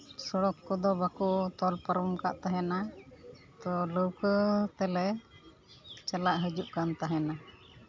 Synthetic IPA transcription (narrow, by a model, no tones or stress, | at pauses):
sɔɽɔkːɔd̪ɔbakɔʔt̪ɔlpaɾɔmka̰ʔt̪aɦɛna | t̪ɔləwkət̪ɛlɛ | t͡ʃalaʔɦəd͡ʒuʔkant̪aɦɛna